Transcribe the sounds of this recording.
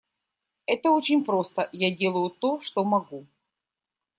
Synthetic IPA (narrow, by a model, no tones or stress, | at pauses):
ɛt̪əot͡ɕɪnʲpɾost̪əjadʲe̞lˠəjʊt̪oʂt̪omɐɡu